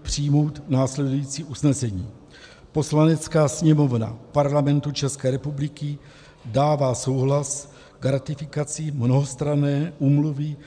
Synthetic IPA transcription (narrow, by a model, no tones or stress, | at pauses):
pr̝̥ijmo̞wt̪naːslɛdujiːt͡siːʔusnɛsɛɲiː | po̞slanɛt͡skaːsɲɛmo̞vna̰paɾlamɛnt̪ut͡ʃɛskɛːɾɛpublɪkɪ | daːvaːso̞wɦlas | ɡɾat̪ɪfɪkat͡sɪmnoɦost̪ɾanɛːʔuːmluvɪ